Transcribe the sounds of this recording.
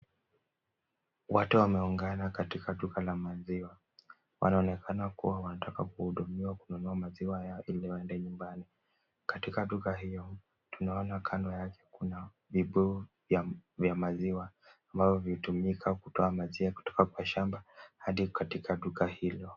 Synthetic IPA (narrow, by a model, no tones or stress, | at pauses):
watuwamɛuŋɡanakatikaɗukalamaziwa | wʔa̰naɔnɛkʰanakṵwawanatakakuhuɗumiwakununuamaziwajaʔiliwaɛndɛɲumbani | katikaɗukaɦijɔ | tunaɔnakʰandɔjakɛ̥kuna | viɓuu | vjavjamaziwaː | mbavɔvitumikʰakutɔamaziaku̥tɔ̥kakwaʃambahaɗikatikaɗukahilɔ